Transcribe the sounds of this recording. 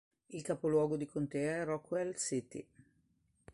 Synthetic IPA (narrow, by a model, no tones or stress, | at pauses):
ilkaːpolwɔːɡod̪ikʰont̪eːaɛrɔkːwɛlsit̪ḭ